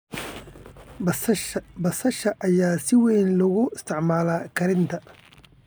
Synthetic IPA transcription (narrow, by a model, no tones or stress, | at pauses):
bɐsɐʃɐʔɐjaːsɪwɛjnlʊɣʊɪst̪ʰɪʕmaːlaːkʰɐɾɪnt̪ʰɐ